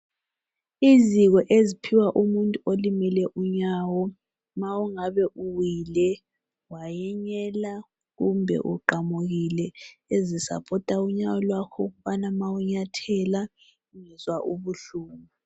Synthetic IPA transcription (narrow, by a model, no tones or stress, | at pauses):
iziɣɔʔezipʰiwaʔumuntʼuolimɛlɛʔuɲawɔ | mawuŋaβɛʔuwilɛ | wajɛɲɛla | ɣumbʱɛ̰ʔṵǃamuɣilɛezisa̰pʰɔtʼauɲawɔlwakʰɔɣuβanamawuɲatʰɛla | uŋɛzwaʔuβuɬuːmu